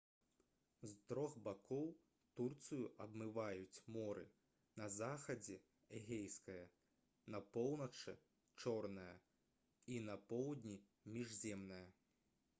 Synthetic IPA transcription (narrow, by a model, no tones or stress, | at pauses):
zt̪ɾɔxbakɔw | t̪urt̪sɨjuʔɐbmɨvajut͡sʲmɔɾɨ̰ | nɐzaxɐd͡zʲɛ | ɛɣʲejskɐjɐ | nɐpɔwnɐt͡ʂɨ̰ | t͡ʂɔrnɐjɐ̰ | inɐpɔwd̪ʲnʲi | mʲiʐzʲɛmnɐjɐ